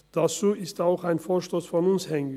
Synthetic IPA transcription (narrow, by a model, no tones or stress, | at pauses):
d̥at͡suːʔɪstaʊxaɪnfoːɐʃtoːsfɔnʊnshɛŋ